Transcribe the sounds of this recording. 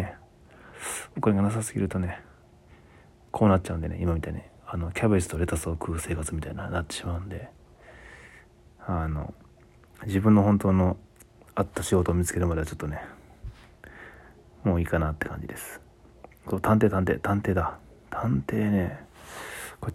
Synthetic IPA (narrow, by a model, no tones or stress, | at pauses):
e | okoɾeɡanas̬asɨɡʲḭɾɯ̟t̪o̞ne̞ | kʰo̞ːnat̚ːt͡ɕːaɯ̃nd̪e̞ne̞̰ʔimamʲit̪aine | ano̞kʲabɯ̟isɨ̥t̪oɾe̞t̪asoːkʰɯ̟ːse̞ːkat͡sɨmʲit̪aiɲanat̪ːe̞̥ɕimaɯ̟̃nod̪e̞ | ano̞̰ | d͡ʑibɯ̟̃nːoɦõ̞nt̪o̞ːno̞ | at̪ːaɕiɡo̞t̪oːmʲit͡sɨ̥ke̞ɾɯ̟mad̪eat͡ɕo̞̥t̪ːone̞ | mo̞ːiːkanat̪ːekã̰ɲ̟d͡ʑḭd̪e̞sɨ̥ | soːt̪ãnt̪e̞ːt̪ãnt̪eːt̪ãnt̪e̞ːd̪a | t̪ʰãnt̪e̞ːne̞ | ko